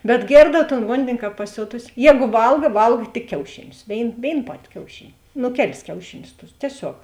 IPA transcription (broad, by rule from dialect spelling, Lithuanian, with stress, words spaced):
bʲɛt ˈɡʲeːrdɐw toːn ˈʋoːnʲdʲɪnʲɪ ˈkɑːp pɐˈsʲoːtʊsʲɪ ˈjɛːɡʊ ˈʋɐlˠɡɐ ˈʋɐlˠk tʲɪk ˈkʲɛʊʃʲɪˌnʲʊs ˈʋʲeːɪn ˈʋʲeːɪn ˈpɑːtʲɪ kʲɛʊˈʃʲɪnʲɪ ˈnʊ ˈkʲæːˌlʲɪs ˈkʲɛʊʃʲɪˌnʲʊs tʊs tʲiɛˈsʲoːk